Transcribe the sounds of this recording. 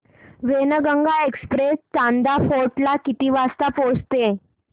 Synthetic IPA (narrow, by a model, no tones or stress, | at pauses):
ʋenəɡəŋɡaekspɾest͡ɕãnd̪afoɾʈlakit̪iːʋast̪apost̪e